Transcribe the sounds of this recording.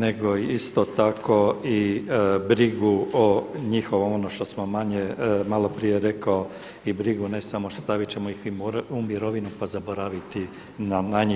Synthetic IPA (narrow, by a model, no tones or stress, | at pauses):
ne̞ɡo̞iist̪o̞t̪akʰo̞ibɾiɡuoɲixo̞ʋoonoʃt̪o̞smomaɲemalˠo̞pɾije̞ɾe̞kao̞ | ibɾiɡune̞samost̪aʋit͡ɕe̞moiximoɾumiɾo̞ʋinupazaboɾaʋit̪i | nanaɲi